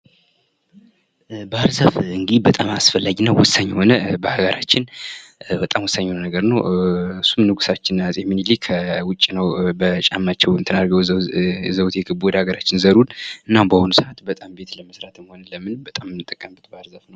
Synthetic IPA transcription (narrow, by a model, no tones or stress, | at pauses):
bəaɾzafɨŋɡd̪bət̪ʼamasfəlːaɡnəwwɔsːaɲːho̞nəbəhaɡəɾat͡ʃːɪn | bət̪ʼamwɔsːaɲːhonənəɡəɾnəwɨsːumnɨɡusat͡ʃːɪnasʼeminilikʰəwʊt͡ʃʼːinəwbət͡ʃʼamːat͡ʃːɛwnt̪ʰɨnaɾɡəwzəwt̪jɛɡɨbod̪aɡəɾat͡ʃːɪnzəɾulɨnːambəhonusəʔat̪bət̪ʼambe̞t̪ləməsɾat̪ɨmho̞nələmɨnbət̪ʼamɨnːɨt̪ʼːəkʼːəmbɨt̪bəaɾzafnəw